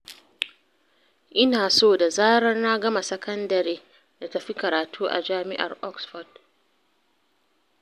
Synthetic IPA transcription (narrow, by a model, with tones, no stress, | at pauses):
ʔɪ˦naː˨soː˦˨da˨zaː˦ɽɐ˦rna˦ɡɐ˦ma˨sɐ˦kɐ˦ndɐ˨ɾiː˦ | da˨tɐ˨ɸi˦kɐ˨ɾaː˨tʰuː˦ʔa̰˨d͡ʒaː˦mɪ˦ʔa̰˨rʔɔ˦ksfɔ˨d̚